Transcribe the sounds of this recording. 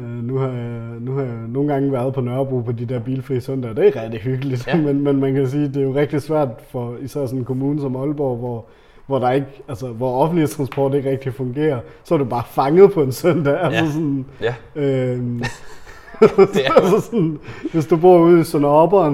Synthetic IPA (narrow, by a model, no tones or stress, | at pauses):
ønuhɑ̈j | nuhɑ̈jɑno̝ːn̩ɡ̥ɑ̈ŋəʋæɐð̞̩ˠpʰɒ̽nɶɐb̥ʁṵːpʰɒ̽d̥id̥eɐ̰b̥iːlfʁḭːsøn̰d̥ɐd̥eæɐʁɛd̥iɦyɡ̥əlid̥menmenmænkʰæsiːd̥e̝æjo̝ʁɛɡ̥̚d̥isʋæɐ̰d̥fɒisæɐ̰sɒ̽nn̩kʰo̝muːnəsɒ̽mɒ̽lb̥ɒʊʋɒ | ʋɒɾ̥ɑ̈e̝ɡ̥ælsəʋɒɒ̽fnd̥lit͡sʰʁɑ̈nsb̥ɒ̰ːd̥e̝ɡ̥ʁɛɡ̥̚d̥ifɔ̽ŋɡ̥e̝̰ːɐsɒ̽æɐɾub̥ɑ̈ːfɑ̈ŋəð̩ˠpʰɒ̽e̝nsøn̰d̥æælsəsɔn | ø | æsəsɔnʋe̝s̬d̥ub̥o̝ɐ̰uð̰ˠisɔnːb̥ɐːn